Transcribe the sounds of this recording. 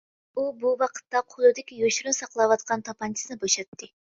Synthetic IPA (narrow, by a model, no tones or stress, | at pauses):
ubuwɑqʰə̥t̪ːɑqʰolˠud̪ɪkʲijoʃuɾnsɑqlˠɑwɑt̪̚qɑnt̪ʰopɑnt͡ʃʰisnɨboʃɑt̪ːɨ